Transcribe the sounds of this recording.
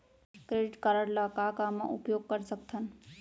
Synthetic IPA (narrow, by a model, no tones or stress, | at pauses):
kɾeɖiʈkəɾəɾlakakama̰ʔṵpjoɡ̚kəɾsəkt̪ʰən